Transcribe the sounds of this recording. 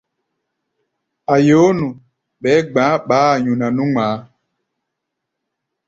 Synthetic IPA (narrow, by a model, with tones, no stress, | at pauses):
a˨joː˨˦nu˨ | ɓɛː˨˦ɡ͡bãː˨˦ɓaː˨˦˨ɲu˨na˨nũ˦ŋ͡maː˨˦